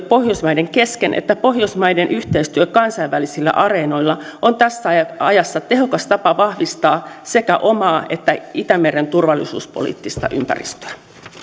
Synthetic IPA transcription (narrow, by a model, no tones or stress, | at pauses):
po̞hjosmɑjdeŋkeskenʔḛt̪ːæpo̞hjosmɑjdenʔyht̪eist̪yøkɑnsɑjʋʋːælisilːæ̰ʔɑre̞no̞jlːɑont̪æsːæɑjɑsːɑt̪e̞ho̞kɑst̪ɑpɑʋɑhʋist̪ɑːse̞kæʔo̞mɑːe̞t̪ːæit̪æmeɾent̪urʋɑlːisṵːspo̰lḭːt̪ːist̪ɑ̰ʔy̰mpæ̰rḭst̪ø̥æ